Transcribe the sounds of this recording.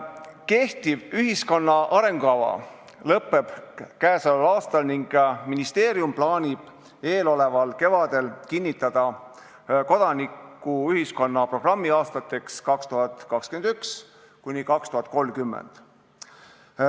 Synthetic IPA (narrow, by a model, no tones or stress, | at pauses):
ke̞ht̪ivyɦisko̞nːɑʔɑɾe̞ŋɡ̥uɑvɑ̰ | lɤpːe̞b̥kæːsɑlulɑːst̪ɑlniŋɡ̥minist̪eːɾiumplɑːnʲib̥ | e̞ːlo̞le̞vɑlke̞vɑd̪e̞lkinʲːit̪ːˑɑd̪̥ɑ | ko̞d̪̥ɑnikːˑuyɦisko̞nːɑpro̞ɡ̥rɑmːiɑːst̪ɑt̪ːˑe̞kskɑkst̪uɦɑt̪ˑkɑkskyenyks | kunʲikɑkst̪uɦɑt̪̚ːˑko̞lmkymːḛnd̪̥